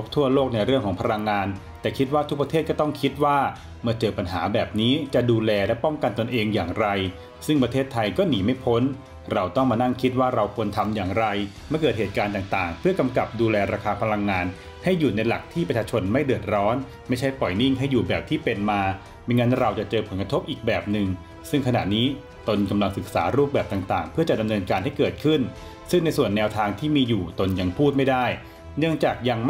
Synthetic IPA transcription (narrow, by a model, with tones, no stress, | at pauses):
o˦˥p̚t̪ʰu˥˩ɐloː˥˩k̚na˧jɾɯ˥˩əŋkʰɔː˩˦ŋpʰa˧la˧ŋːaː˧n | t̪ɛː˨˩kʰi˦˥t̪̚waː˥˩t̪ʰu˦˥k̚pɾa˧t̪ʰeː˥˩t̪̚kɔ˥˩t̪ɔ˥˩ŋkʰi˦˥t̪̚waː˥˩ | mɯ˥˩ɐt͡ɕɤː˧pa˧nɦaː˩˦bɛː˨˩p̚niː˦˥t͡ɕa˨˩duː˧lɛː˧lɛ˦˥pɔ˥˩ŋka˧nt̪o˧nʔeː˧ŋjaː˨˩ŋɾa˧j | sɯ˥˩ŋpɾa˧t̪ʰeː˥˩t̪ʰːa˧jkɔː˥˩niː˩˦ma˥˩jpʰo˦˥n | ɾa˧wt̪ɔ˥˩ŋmaː˧na˥˩ŋkʰi˦˥t̪̚waː˥˩ɾa˧wkʰu˧ənt̪ʰa˧mjaː˨˩ŋɾa˧jmɯ˥˩kɤː˨˩t̪̚heː˨˩t̪̚kaː˧nt̪aː˨˩ŋt̪aː˨˩ŋpʰɯ˥˩ɐka˧mka˨˩p̚duː˧lɛː˧ɾaː˧kʰaː˧pʰa˧la˧ŋːaː˧n | ha˥˩jːuː˨˩na˧jla˨˩k̚t̪ʰiː˥˩pɾa˧˩t͡ɕʰaː˧t͡ɕʰo˧nma˥˩jdɯ˨˩ət̪̚ɾɔː˦˥n | ma˥˩jt͡ɕʰa˥˩jpɔ˨˩jni˥˩ŋɦa˥˩jːuː˨˩bɛː˨˩p̚t̪ʰiː˥˩pe˧nmaː˧ | maː˧ŋaː˦˥nɾa˧wt͡ɕa˨˩t͡ɕɤː˧pʰo˨˩˦nka˧t̪ʰo˦˥p̚ʔiː˨˩k̚bɛː˨˩p̚nɯ˨˩ŋ | sɯ˥˩ŋkʰa˧na̰˨˩niː˦˥ | t̪o˧nka˧mla˧ŋsɯ˨˩k̚saː˩˦ɾuː˥˩p̚bɛː˨˩p̚t̪aː˨˩ŋt̪aː˨˩ŋpʰɯ˥˩ɐt͡ɕa˨˩da˧mnɤː˧nkaː˧nɦa˥˩jkɤː˨˩t̪̚kʰɯ˥˩n | sɯ˥˩ŋna˧jsu˨˩ənːɛː˧wt̪ʰaː˧ŋt̪ʰiː˥˩miː˧juː˨˩t̪o˧nja˧ŋpʰuː˥˩t̪̚ma˥˩jda˥˩j | nɯ˥˩əŋt͡ɕaː˨˩k̚ja˧ŋm˥